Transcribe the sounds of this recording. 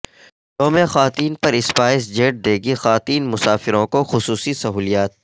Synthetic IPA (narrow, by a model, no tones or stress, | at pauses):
ʈoːmexaːt̪iːnpɐɾɪspaːɪsd͡ʒeːʈ̚d̪eːɡixaːt̪iːnmʊsaːfɪɾõkoxʊsuːsisɐɦuːlijaːt̪̚